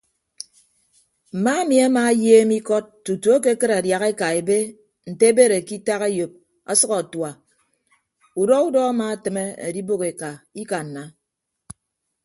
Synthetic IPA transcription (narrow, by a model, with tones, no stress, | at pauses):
m̩˨ma˦e˦mi˨a˦maː˦jeː˦mi˦kɔ˦t̚ːu˨tu˨˦o˦ke˦kɨ˦ɾa˨dja˨ɣe˦ka˨e˨be˦ | n̩˨te˦be˦ɾe˨ki˦ta˦ɣe˦jo˨p̚ | a˦sʌ˦kɔ˨twa˨ | u˨dɔ˦u˦dɔ˦a˦ma˦˨tɨ˨me˦ḛ˨di˦bo˦ke˨ka˨i˦ka˨n̩˨na˨